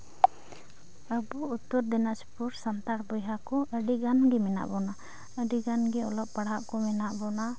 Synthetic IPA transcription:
əbuut̪ːɔɾd̪ɛnaspuɾsant̪aʈbɔjɦakɔʔəɖiɡanɡɛmɛna̰ʔbɔna | əɖiɡanɡɛɔlɔp̚pːaɽaʔkɔmɛnaʔbɔna

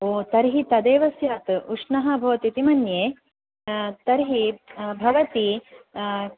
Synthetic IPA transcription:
oːt̪ɐɾɦit̪ɐd̪eːʋɐsjaːt̪uʂnɐɦɐbʱɐʋɐt̪it̪imɐnjeː | t̪ɐɾɦibʱɐʋɐt̪i

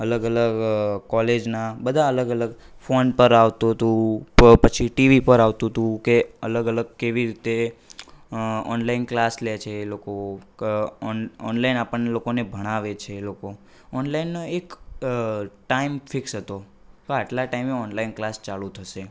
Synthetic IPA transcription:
ələɡələɡkɔled͡ʒnabəd̪ʱaələɡələɡ | fonpəɾaʋt̪ut̪ũpət͡ʃʰiʈiʋipəɾaʋt̪ũt̪ũkeələɡələɡ̚keʋiɾit̪e | ɔ̰nlainklaslet͡ʃʰeːloko | ɔnlainapəɳnelokonebʱəɽ̃aʋet͡ʃʰeːloko | ɔnlainːoek | ʈaimfɪksɦət̪o | keaʈlaʈaimeɔnlainklast͡ʃalũt̪ʰəʃe

